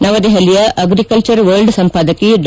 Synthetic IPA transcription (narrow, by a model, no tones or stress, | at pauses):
nɐʋɐd̪eɦɐlijɐʔɐɡɾikɐlt͡ʃɐɾʋɐɾɖsɐmpaːd̪ɐkiɖ